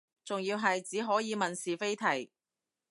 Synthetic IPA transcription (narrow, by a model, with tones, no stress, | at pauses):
t͡sʊ˨ŋjiː˧wɦɐ˨jt͡siː˨˥ɦɔː˨˥jiː˨˧mɐ˨nsiː˨˩fe˥jt̪ʰɐ˨˩j